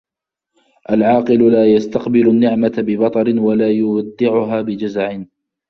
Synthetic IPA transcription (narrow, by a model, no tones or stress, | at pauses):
ʔalʕɑːqɨlʊlaːjast̪aqbɪlʊnːɪʕmat̪bɪbɑt̪ˤɑɾɪnwalaːjʊwad̪ːɪʕʊɦaːbɪd͡ʒazaʕɪn